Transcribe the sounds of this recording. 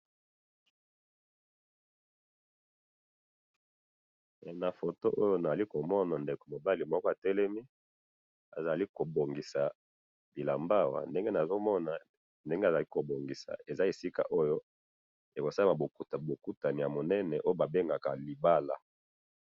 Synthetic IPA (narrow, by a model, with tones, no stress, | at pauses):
na˨fo˨to˦ʔo˦jo˦na˨za˨li˦ko˨mɔ˦na˨nde˨ko˨mo˨ba˦li˨mɔ˦kɔ˦a˨tɛ˦lɛ˦mi˦ | a̰˨za˨li˦ko˨bo˨ŋɡi˨sa˨ | bi˨la˨mba˦wa̰˨nde˦ŋɡe˦na˨zo˦mɔ˦na˨ | nde˦ŋɡe˦a˨za˨li˦ko˨bo˨ŋɡi˨sa̰˨e˨za˦e˨si˦ka̰˨ʔo˦jo˦ | e˨ko˨sa˦ma˨bo˨tbo˨ku˦ta˨ni˨ja˨mo˨nɛ˦nɛ˨ʔo˦o˦ba˨be˦ŋɡa˨ka˨li˨ba˦la˨